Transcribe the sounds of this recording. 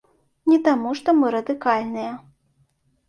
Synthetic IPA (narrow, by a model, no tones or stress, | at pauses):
nʲɛt̪amuʂt̪ɔmɨɾɐd̪ɨkalʲnɨjɐ